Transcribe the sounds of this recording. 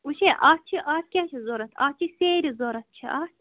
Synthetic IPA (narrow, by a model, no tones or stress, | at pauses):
uʃeʔaːt͡ʃʰiʔaːt̪̚kʲaːʃizoɾɐt̪ʰa̰ːt͡ʃʰiseːɾizoɾɐt̪̚t͡ʃʰiʔaːt̪ʰ